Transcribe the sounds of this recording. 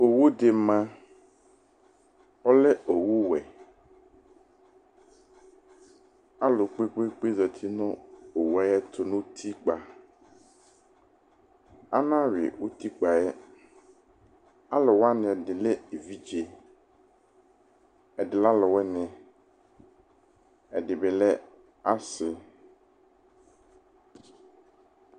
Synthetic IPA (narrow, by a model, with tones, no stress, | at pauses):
o˨wo˦d̪e˨mã˦ | ɔ˦le˦o˨wu˦wɛ˨ | a˦lo˨k͡pe˦k͡pe˦k͡pe˦zɛ˨t̪ʰi˦nɔ̃˦o˨wa˦jɛ˦t̪ʰo˨nõ˦t̪ʰi˦k͡pa˨ | a˦nã˦ɥɪ̰˨wo˦t̪ʰi˦k͡pa˨ɛ˦ | a˦lɔ˨wa˦nɪ̃˨ɛ˨dɪ˨lɛ˦e˨vi˦d͡ʒe˨ | ɛ˨dɪ˨la˦lɔ˨wɛ˦nɪ̃˨ | ɛ˨dɪ˨bɪ˨lɛ˦ | a˦sɪ˨